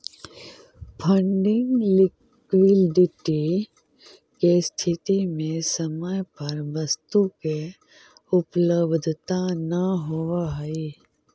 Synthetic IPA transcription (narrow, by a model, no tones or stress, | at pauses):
pʰə̃ɳɖɪŋɡlɪk | wɪlɖɪʈi | kest̪ʰɪt̪imẽsəməjpəɾʋəst̪uke | ʊpləbd̪ʱt̪anɐɦoaɦɛi